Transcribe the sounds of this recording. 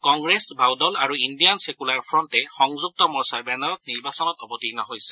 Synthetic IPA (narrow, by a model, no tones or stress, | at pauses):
kɔŋɡɹesbʱawdɔlaɹuindijansekulaɹpʰɹɔntɛxɔŋzuk̚tɔmɔɹsaɹbɛnɔɹɔttniɹbasɔnɔtɔbɔtinɔɦojsɛ̥